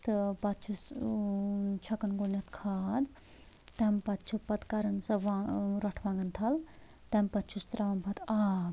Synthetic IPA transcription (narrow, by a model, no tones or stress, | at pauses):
t̪ɨpɐt̪t͡ʃʰus | t͡ʃʰɐkɐnɡonjɐt̪kʰaːd̪ | t̪ɐmpɐt̪t͡ʃʰupɐt̪kɐɾɐnsɐʋãɾɐʈʰʋãːŋɡɐnt̪ʰɐl | t̪ɐmpɐt̪t͡ʃʰust̪ɾɐʋɐmpʰɐt̪aːb